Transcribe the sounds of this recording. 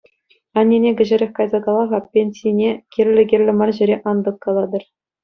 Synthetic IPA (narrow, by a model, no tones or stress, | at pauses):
ɑnʲːenʲeɡʲɘ̆ʑɘ̆ɾʲĕxʲkɑjzɑkɑlˠɑʁɑpʲenʲsʲinʲekʲerʲlʲɘ̆ɡʲerʲlʲɘ̆mɑrʑɘ̆ɾʲeʔɑnd̪ɤ̆kːɑlˠɑd̪ɤ̆r